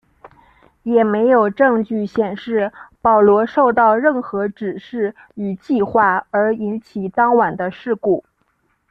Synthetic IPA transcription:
jɛ˨˩me˧˥ɪjo˨˩ʊʈ͡ʂɤ˥˧ŋt͡ɕy˥˩ɕjɛ˨˩nʂɻ̩˥˩pɑ˨˩ʊlwɔ˧˥ʂo˥˧ʊt̪ɑ˥˧ʊɻə˥˩nxɤ˧˥ʈ͡ʂɻ̩˨˩ʂɻ̩˥˩ | y˨˩t͡ɕi˥˧xwa˥˩ə˞˧˥i˧˥nt͡ɕʰi˨˩t̪ɑ˥ŋwa˨˩nd̪ə˦ʂɻ̩˥˧ku˥˩

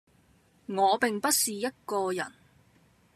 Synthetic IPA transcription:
ŋɔː˨˧pɪ˨ŋpɐ˥t̚siː˨jɐ˥t̚kɔː˧jɐ̰˨˩n

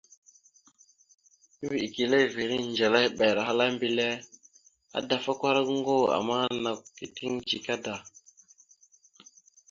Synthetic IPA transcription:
vi˨i˨ki˨le˦˨vi˨ɾi˦nd͡ʒa˨la˦jɓe˨ɾa˨ɦa˦la˦mbi˦le˦ | a̰˦da˨fa˦kʷa˦ɾŋ˦ɡo˦a̰˨ma˦na˨kki˨ti˦ŋd͡ʒi˨ka˦da˨

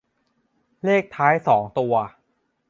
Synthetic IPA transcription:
leː˥˩k̚t̪ʰaː˦˥jsɔː˩˦ŋt̪u˧ɐ

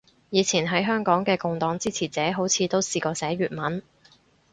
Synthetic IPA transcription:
jiː˨˧t͡sʰiː˨˩nɦɐ˨˥jɦœː˥ŋkɔː˨˥ŋkɛː˧kʊ˨˧ŋt̪ɔː˨˥ŋt͡siː˥t͡sʰiː˨˩t͡sɛː˨˥ɦo˨˥wt͡sʰiː˨˧t̪o˥wsiː˧kɔː˧sɛː˨˥ɥyː˨˩t̚mɐ˨˥n

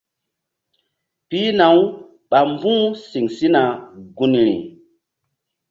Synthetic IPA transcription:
pi˦na˨w | ɓa˨mbũ˦si˨ŋsi˦na˨ɡu˦nɾḭ˨

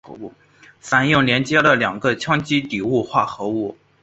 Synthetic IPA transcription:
u˥˩ | sa˥njʊ˥˩ŋljɛ˧˥nt͡ɕjɛ˥də˨ljɑ˨˩ŋɡə˧t͡ɕʰjɑ˥ŋt͡ɕi˥t̪i˨˩u˥˧xwa˥˩xɤ˧˥u˥˩

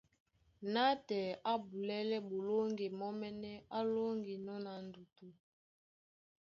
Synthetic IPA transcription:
na˦tɛ˨a˦bu˨lɛ˦lɛ˦bo˨lo˦ŋɡe˨mɔ˦mɛ˦nɛ˦a˦lo˦ŋɡi˨nɔ˦na˨ndu˨tu˨

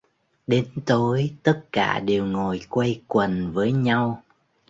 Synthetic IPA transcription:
ɗe˨˦nt̪o˨˦jt̪ə˦˥t̚ka̰ː˧˩ɗe˨˩wŋo˨˩jkwə˧jkwə˨˩nvəː˨˦jɲa˧w

